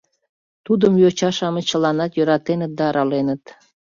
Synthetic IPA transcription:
t̪ud̪əmjøt͡ɕɑʃɑmət͡ɕə̆lɑnɑt̪jøɾɑt̪enət̪̚d̪ɑːɾɑlenət̪

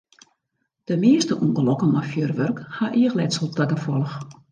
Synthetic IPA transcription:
d̥əmɪəstəʔuŋɡəlɔkəmafjørʋørkhaʔiːəxlɛtsəlˠtɛɡəfɔlˠəx

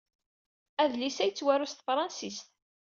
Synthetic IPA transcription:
æðlisæjt͡sːwæɾʊst̪fɾˤɑnsist̪

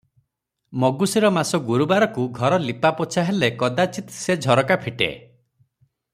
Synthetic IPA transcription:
mɔɡusiɾɔmasɔɡuɾubaɾɔkuɡʱɔɾɔlipapɔt͡ʃʰaɦelekɔd̪at͡ʃit̪sed͡ʒʱɔɾɔkapʰiʈḛ

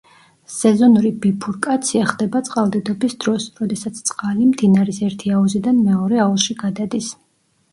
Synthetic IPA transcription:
sɛzɔnuɾibipʰuɾkʼat̪sʰiaχd̪ɛbat̪sʼqʼalˠd̪ɛd̪ɔbisd̪ɾɔsɾɔd̪ɛsat̪sʰt̪sʼqʼalimd̪inaɾisɛɾt̪ʰiauzid̪anmɛɔɾɛaulˠʃiɡad̪ad̪is

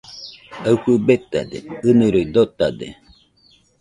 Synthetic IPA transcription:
awhubet̪a̰d̪ḛɨnɨɾoid̪ot̪ad̪ḛ

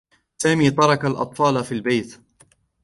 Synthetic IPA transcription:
saːmiːt̪ˤɑɾˤɑkalʔɑ̰t̪ˤfɑːlafiːlbejt̪

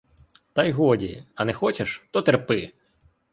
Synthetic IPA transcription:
t̪ɐjɦɔdʲiɐnɛxɔt͡ʃeʃt̪ɔt̪erpɪ

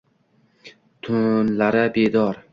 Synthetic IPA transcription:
t̪ʰʊnlaɾɪbed̪ɒɾ

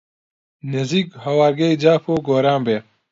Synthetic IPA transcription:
nɐziːkhɐwaːɾɡɐjd͡ʑaːpoːɡoːɾãːmbeː

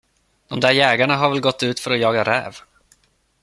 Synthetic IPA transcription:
d̪̥ɔmd̪æːɾjɛːɡaɳaɦaɾvɛlɡɔt̪ːʉ̟ːt̪fœɾɔjɑːɡaɾɛ̰ːv

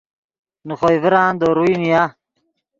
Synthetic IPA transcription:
nuχojviɾaːnd̪oːɾuinija

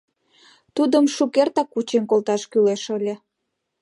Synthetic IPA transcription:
t̪ud̪əmʃukert̪ɑkːut͡ɕenkolt̪ɑʃkyleʃəlʲe

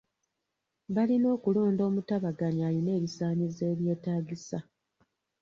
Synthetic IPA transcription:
βalino̞ːkulo̞ːndo̞ːmutaβaɡaɲajone̞ːβisaːɲize̞ːβjeːtaːɡisa

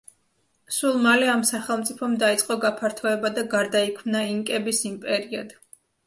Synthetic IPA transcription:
sulˠmalɛamsaχɛlˠmt̪sʼipʰɔmd̪ait̪sʼqʼɔɡapʰaɾt̪ʰɔɛbad̪aɡaɾd̪aikʰmnaiŋkʼɛbisimpʼɛɾiad̪̥

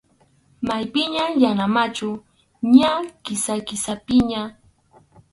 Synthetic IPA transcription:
majpɪɲajanamat͡ʃʊ | ɲakɪsakɪsapɪɲa

